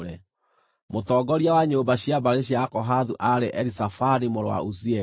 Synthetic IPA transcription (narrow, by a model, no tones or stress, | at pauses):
ɾɛ | motɔːɡɔɾjawaɲoːmbaɕiabaɾeɕiakɔɦaðuʔaɾeʔɛɾisafanimoɾwa̰usiɛ